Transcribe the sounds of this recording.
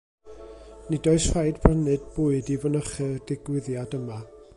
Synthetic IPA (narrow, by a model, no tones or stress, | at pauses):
nidɔɨsfajdv̥rənɨdbuːɨdivɔnəχərd̥ɪɡwɪðjadəma